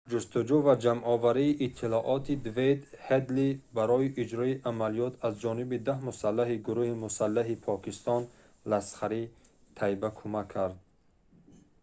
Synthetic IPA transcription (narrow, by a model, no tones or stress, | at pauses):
d͡ʒust̪ud͡ʒuvad͡ʒamʔɔvaɾiːʔit̪ʰːilɔʔɔt̪ʰid̪vejd̪hed̪libaɾɔiʔid͡ʒɾɔiʔamalijɔt̪ʰazd͡ʒɔnibid̪ahmusalːaɦiɡuɾuhimusalːaɦipʰɔkist̪ɔn | lasχaɾi | t̪ʰajbakʰumakʰːaɾd̪̚